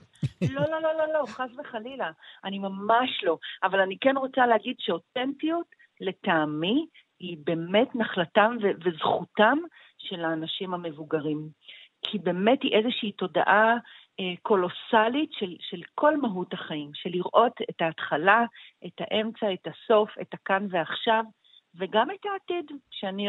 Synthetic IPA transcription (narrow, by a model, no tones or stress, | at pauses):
lo̞lo̞lo̞lo̞lo̞χazveχalilaʔanimamaʃlo̞avalanikenʁo̞t͡saleɦaɡidʃeo̞tentijut | le̞taːmi | hibe̞metnaχlatamvevezχutam | ʃe̞laːnaʃimhame̞vuɡaʁim | kʰibe̞me̞thiʔezeʃiːto̞da̰ʔa | eko̞lo̞salitʃelʃe̞lkʰo̞lmaɦuthaχaimʃe̞liʁʔo̞tetaːtχalaʔetaʔe̞mt͡saetaso̞fetakanve̞aχʃav | ve̞ɡametaːtidʃeani